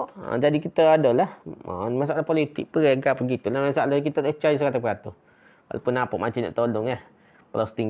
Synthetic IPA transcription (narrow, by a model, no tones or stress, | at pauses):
ʔa̰d͡ʒadikit̪əadɔlahmas̬aʔaʔlahpolit̪ɪ̰k̚pəɾeɡapəɡit̪ulahasaalakit̪ət̪ət͡ʃajus̬əkat̪apəkat̪ʊh | wa̰la̰pʊnːapaʔmat͡ʃana̰ʔt̪olʊŋah | pəlast̪iŋ